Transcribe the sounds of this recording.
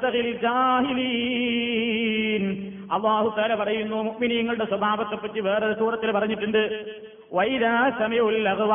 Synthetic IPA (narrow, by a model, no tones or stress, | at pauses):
t̪ɐɣilld͡ʑaːɦiliː | n | ɐlˠːaːhut̪aːlɐpɐrɐjunːoːmuʔminiːŋːɐɭuɽe̞swɐbʱaːbɐt̪ːepːɐʈːiʋeːret̪uːrɐt̪ːilpɐrɐɲːiʈːuɳɖɨ | ʋɐjðaːsɐmɐjɐmulːɐɣɨʋa